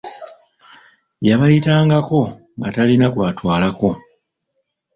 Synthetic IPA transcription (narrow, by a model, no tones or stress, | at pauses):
jaβajitaːŋɡako̞ | ŋɡatalinakwaːtwaːlako̞